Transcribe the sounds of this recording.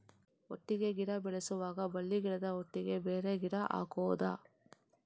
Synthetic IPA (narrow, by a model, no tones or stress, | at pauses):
oʈːiɡe̞ɡiɽɐbɛɭesuʋaːɡɐbɐlːiɡiɽɐd̪ɐoʈːiɡe̞beːɾe̞ɡiɽɐʔa̰ːkɔːd̪a̰ː